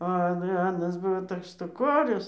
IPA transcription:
ɐ ˈɐn ˈɑːnɐs ˈbʊʋoː ˈtoːks ʃtʊˈkoːrʲʊs

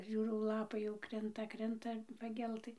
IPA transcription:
ˈʒʲuːrɐʊ ˈlˠɑːpɐɪ jɛʊ ˈkrʲɪntɐ ˈkrʲɪntɐ pɐˈɡʲɛlˠtɨ

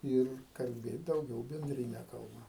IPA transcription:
ˈɪr kɐlʲˈbʲeːt dɐʊˈɡʲɛʊ bʲɛnʲdʲrʲɪˈnʲɛ kɐlˠˈbɐ

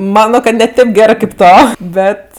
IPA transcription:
ˈmɑːnoː kɐ nʲɛ ˈtʲeːp ˈɡʲæːrɜ kʲeːp ˈtoː ˈbʲɛt

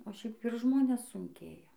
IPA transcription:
oː ˈʃʲɛɪp ɪr ˈʒmoːnʲɛs sʊŋʲˈkʲeːjɛ

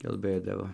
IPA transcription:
kɐlˠˈbɘdɐʋoː

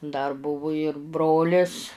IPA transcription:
dɐr ˈbʊʋʊ ɪr ˈbroːlʲɪs

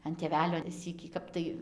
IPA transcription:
ɐn tʲeːˈʋʲæːlʲoː ˈsʲiːkʲiː ˈkɐp tɐɪ

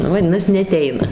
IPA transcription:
ˈnʊ ʋɐˈdʲɪnɐs nʲɛɐˈtʲɛɪnɐ

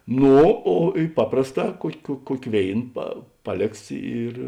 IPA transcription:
ˈnoː oː ɪ ˈpɑːprɐsˌtɑː ˈkuɔkʲ kuɔ ˈkuɔkʲ ˈʋʲeːɪn pɐ ˈpɑːˌlʲeːks ɪr

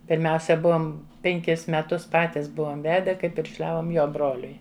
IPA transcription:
pʲɪrʲˈmʲɛʊsʲɛ ˈbuɔm pʲɛŋʲˈkʲɪs mʲɛˈtʊs ˈpɑːtʲɪs ˈbuɔm ˈʋʲæːdʲɛ kɐɪ pʲɪrʲʃʲˈlʲæːʋoːm ˈjoː ˈbroːlʲʊɪ

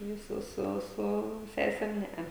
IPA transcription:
jɛʊ ˈsʊ ˈsʊ ˈsʊ ˈsʲæːsʲɛm ˈnʲɛɐ

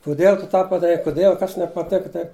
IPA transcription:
kʊˈdʲiɛlˠ tʊ ˈtɑː pɐdɐˈrʲɛɪ kʊˈdʲiɛlˠ ˈkɐs nʲɛpɐˈtʲæːkɐ tɐɪp

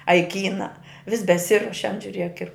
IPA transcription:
ɐ ɪ ˈkʲiːnɐ ʋʲɪs bʲɛˈsʲɪruɔʃʲɛnt ʒʲʊˈrʲiɛk ɪr

